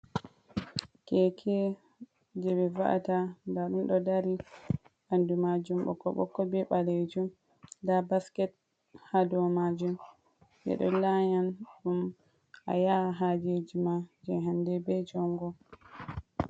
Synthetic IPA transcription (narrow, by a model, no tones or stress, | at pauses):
kɛkʰɛ | d͡ʒɛbɛva̰ʔa̰tandaɗunɗɔdaɾi | ʔandumad͡ʒumɓɔ̰kːɔ̰ɓɔ̰kːɔbɛɓaled͡ʒum | dabaskɛt̚ | hadɔmad͡ʒum | jɛ̰ɗɔlaɲanɗum | ʔa̰jaɦad͡ʒed͡ʒimad͡ʒɛɦandɛbɛd͡ʒɔŋɡɔ